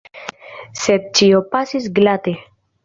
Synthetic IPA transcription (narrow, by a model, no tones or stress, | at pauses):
set̪̚t͡ʃiopasis̬ɡlat̪e